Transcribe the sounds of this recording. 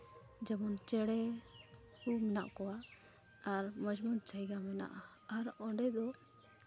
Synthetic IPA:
d͡ʒɛmɔnt͡ʃɛɽɛ | humɛna̰ʔkɔwa | aɾmɔd͡ʒmɔn̚t͡ʃajɡamɛna̰ʔaaɾɔɳɖɛd̪ɔ

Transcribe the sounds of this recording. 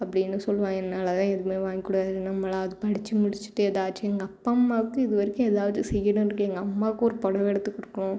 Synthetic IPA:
ɐpːɐɽɪnːɯsɔlːʋãːɛnːaːlɐt̪ãːɛðɯmeːʋaːŋɡikːʊɽaːɯnːɐmːɐlaːʋɐðɯpɐɽɪt͡ʃːɯmʊɽɪt͡ʃːɯ̥ʈːɯɛðaːʈt͡ʃːiɛŋɡɐpːamːaːʋkːɯ̃ɪðɯʋɐɾɪkːʊ̃eːðaːʋɐðɯsɛjːɐɽʊ̃ɪɾɯkːɯɛŋɡɐɐmːaːkːɔɾɯpɔɽɐʋɛɽɯt̪ːɯkːɔɽɯkːɐɳʊ̃

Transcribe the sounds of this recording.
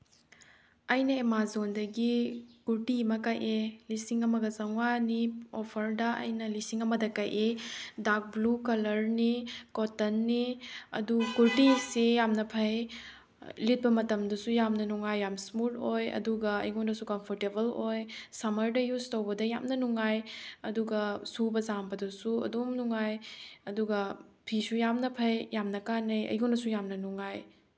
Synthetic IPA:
ɐjnɐemazondɐɡikuɾʈimɐkɐjʔelisiŋɐmɐɡɐzɐŋaniɔpʰɐɾdɐɐ̰jnɐlisiŋɐmɐdɐkɐjʔedak̚blukɐlɐɾnikɔtːɐnːiɐ̰dukuɾtisejamnɐpʰɐj | lit̚bɐmɐtɐmdɐsujamnɐnuŋajːamsmutojɐ̰duɡɐɐ̰jɡondɐsukɐmpʰɔɾtebɐlojsɐmɐɾdɐjuztowbɐdɐja̰mnɐnuŋajɐduɡɐsubɐzambɐdɐsuɐ̰domnuŋajɐduɡɐpʰisujamnɐpʰɐjjamnɐkanɐjɐ̰jɡondɐsujamnɐnuŋaj

